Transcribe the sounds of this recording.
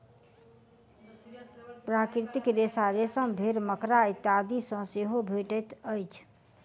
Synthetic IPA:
pɾakɾit̪ikɾesaɾesə̃bʱeɾməkɾait̪ad̪isə̃seɦobʱeʈət̪əjt͡ʃʰ

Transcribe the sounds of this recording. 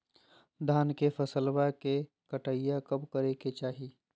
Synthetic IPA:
d̪ʱaːnkefʰɐsəlwake | kəʈaɪjakɐbkəɾeket͡ʃaːɦi

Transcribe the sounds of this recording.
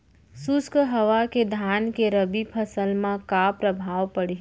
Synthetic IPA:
sʊskɦəʋaked̪ʱaːnkeɾəbipʰəsəlmãkapɾəbʱaːʋpəɽi

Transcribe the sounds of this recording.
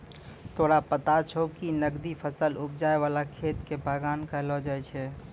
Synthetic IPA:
t̪oɽapət̪at͡ʃʰokinəɡd̪ipʰəsəlupd͡ʒaeβalakʰet̪kebʱaɡankəɦlɔd͡ʒajt͡ʃʰɛ

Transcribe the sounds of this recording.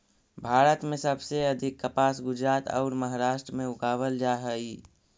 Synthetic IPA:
bʱaːɾət̪mẽsəbseəd̪ʱikːəpasɡʊd͡ʒɾaːt̪ɔ̰ʊɾməɦaɾaːʃʈɾəmẽʊkaβəld͡ʒaɦəi

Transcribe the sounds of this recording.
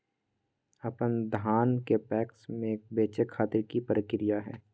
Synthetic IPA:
ɐpənd̪ʱaːnkepɛːksmẽk̚beːt͡ʃekʰaːt̪ɪɾkipəɾəkɪɾijaɦɛ̰ː

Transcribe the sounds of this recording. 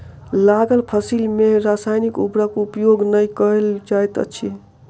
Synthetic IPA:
laɡəlpʰəsilmeɾasajnikubɾəkupjoɡnəjkəeld͡ʒajt̪ə̰t͡ʃʰi

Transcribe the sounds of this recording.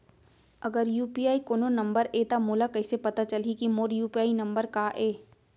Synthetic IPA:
ɐɡəɾjuːpiaːikoːnonɐ̃mbəɾeːt̪amoːlakɐɪsepɐt̪at͡ʃɐlikimoːɾjuːpiaːinɐ̃mbəɾkaːʔeː

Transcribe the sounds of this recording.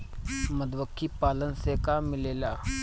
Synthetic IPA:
məd̪ʋəkʰːiːpalənsekamɪlela

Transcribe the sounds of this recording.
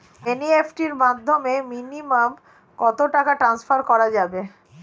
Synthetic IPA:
eniefʰʈiɾmad̪ʱːomeminimam | kɔt̪oʈakaʈɾansfʰaɾkɔɾad͡ʑabe

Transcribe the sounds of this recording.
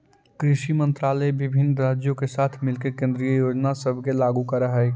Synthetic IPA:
kɾɪʃimə̃nt̪ɾaːləebɪbʱɪnɾaːd͡ʒjõkesaːt̪ʰmɪlkekẽnd̪ɾijəjoːd͡ʒnasəbʱkelaːɡukəɾəɦɛ

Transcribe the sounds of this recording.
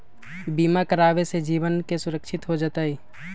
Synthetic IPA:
biːmakəɾaːʋesed͡ʒiːʋənkesʊɾəkʃɪt̪ɦod͡ʒaːt̪aɦiː

